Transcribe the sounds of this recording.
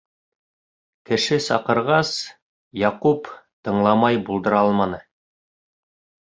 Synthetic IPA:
kɘ̆ʃɘsɑqɤ̆ɾʁɑs | jɑqupt̪ɤ̆ɴlˠɑmɑjbulˠd̪ɤ̆ɾɑlˠmɑnɤ

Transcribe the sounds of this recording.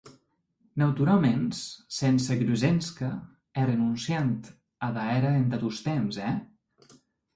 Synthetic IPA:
nawt̪uɾalˠmenssensəɣɾuzenskə | ɛrenunsjant̪ | əðaɛɾəent̪at̪ust̪ɛmzɛ

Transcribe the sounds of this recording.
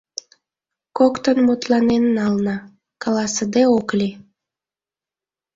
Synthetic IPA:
kokt̪ənmut̪lɑnennɑlnɑ | kɑlɑsəd̪eoklʲi

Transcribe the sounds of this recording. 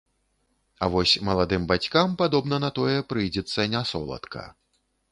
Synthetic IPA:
avɔsʲmɐlˠad̪ɨmbat͡sʲkampad̪ɔbnɐnɐt̪ɔjɛpɾɨjd͡zʲɛt̪sːɐnʲasɔ̰lˠɐ̰t̪kʰɐ̰

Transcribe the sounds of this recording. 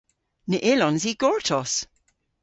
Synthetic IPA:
nəʔɪlɔnziːɡ̥ɔɹtʰɔs

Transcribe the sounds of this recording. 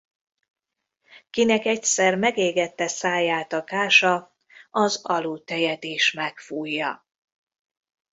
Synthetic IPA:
kinɛkɛcsɛrmɛɡeːɡɛt̪ːɛsaːjaːt̪ɒkaːʃɒ | ɒzɒluːt̪ɛjɛt̪eːʃmɛkfuːjːɒ

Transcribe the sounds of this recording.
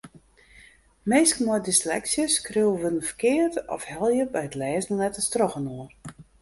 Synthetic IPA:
meːskmɔjdislɛ̰ksjəskriəʋødən̩fə̥rkɪːətɔ̰fhɛlˠjəbɛjətlɛːznəlɛtəstrɔxənoər

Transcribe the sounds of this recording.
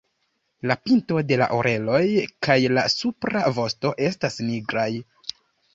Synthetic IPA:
lapinto̞de̞la̰ʔoɾʔe̞lo̞jkajlasupɾavo̞sto̞ʔe̞stasniɡɾaj

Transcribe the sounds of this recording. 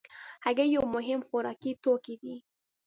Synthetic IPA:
haɡajawmʊɦɪmxʊɾɑkit̪okid̪i

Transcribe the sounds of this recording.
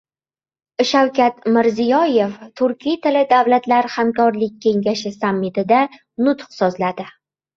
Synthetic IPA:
ʃawkʲʰat̪mɪɾzijɒje̞ft̪ʰʊɾkʲʰijt̪ʰɪlɪd̪avlat̪laɾhamkʰɒɾlɪk̚ʲʰːe̞ŋɡʲaʃɪsamːɪt̪ʰɪd̪a | nʊt̪qsɒzlad̪ɪ

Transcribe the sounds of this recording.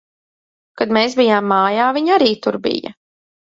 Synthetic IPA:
kad̪meːsbijaːmːaːjaːviɲaɾiːt̪uɾbḭjɐ̰

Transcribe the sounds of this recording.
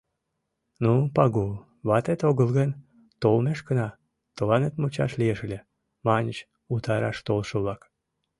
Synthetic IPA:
nupɑɣul | βɑt̪et̪oɣəlɣen | t̪olmeʃkənɑ | t̪olɑnet̪mut͡ɕɑ̰ʃlieʃlʲe | mɑnʲət͡ɕ | ut̪ɑɾɑ̰ʃt̪olʃəβlɑk

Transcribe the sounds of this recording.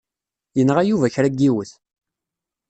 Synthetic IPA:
jənʁæjuvæçɾæɡːiwəθ

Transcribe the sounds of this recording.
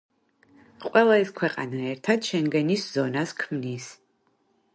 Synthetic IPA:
qʼɛlˠaskʷʰɛqʼa̰naɛrt̪ʰat̪ʃɛnɡɐniszonaskʰmnis

